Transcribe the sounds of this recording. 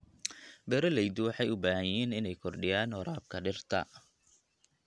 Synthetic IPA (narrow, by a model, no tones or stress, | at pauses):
bɛɾɐlɛjd̪ʊwɑħɑjʊbaːhɐjɛːnɪnɛjkʰɔrɖɪjaːnhɔɾaːb̚kʰɐɖɪrt̪ʰɐ̰